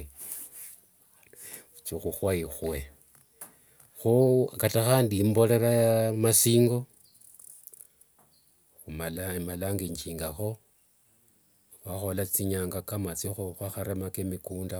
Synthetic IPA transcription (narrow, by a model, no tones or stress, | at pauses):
t͡ʃixuxwaixwe̞ | xokataxaːndimbo̞leɾamasiːŋɡo̞ | xumalamalaːŋɡiɲt͡ʃiːŋɡaxo̞ | βaxo̞lat͡siɲaːŋɡakamat͡sixuxwaxaɾemakemikuːnda